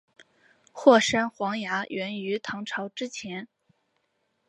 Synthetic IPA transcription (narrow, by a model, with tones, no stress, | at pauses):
xwɔ˥˩ʂa˥nxwɑ˧˥ŋja˧˥ɥɛ˧˥ny˧˥t̪ʰɑ˧˥ŋʈ͡ʂʰɑ˧˥ʊʈ͡ʂɻ̩˥t͡ɕʰjɛ˧˥n